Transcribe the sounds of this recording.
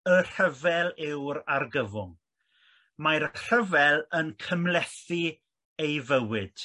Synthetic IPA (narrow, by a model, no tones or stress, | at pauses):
ər̥əvɛlˠɪwɾarɡəvʊŋ | majɾəkʰr̥əvɛlˠənkʰəmlɛθi | ejvəwɪd̥